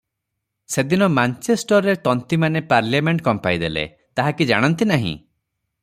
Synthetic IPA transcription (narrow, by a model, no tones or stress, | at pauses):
sed̪inɔmant͡ʃesʈɔɾːet̪ɔnt̪imanepaɾljameɳʈkɔmpajd̪elḛ | t̪aɦakid͡ʒaɽ̃ɔnt̪inaɦḭ̃